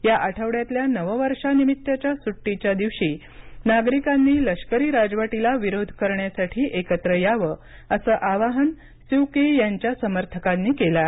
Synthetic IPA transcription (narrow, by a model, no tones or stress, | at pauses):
jaʔaʈʰəʋɽjat̪ljanəʋəʋəɾʂanimit̪ːjət͡ɕjasuʈːit͡ɕjad̪iʋɕiː | naɡɾikanːiːləʂkəɾiːɾad͡zʋaʈilaʋiɾod̪ʱkəɾɳjasaʈʰiːʔekət̪ɾəjaʋə | əsəːʔaʋaɦən | siwkejaɲt͡ɕjasəməɾt̪ʰəkanːiːkela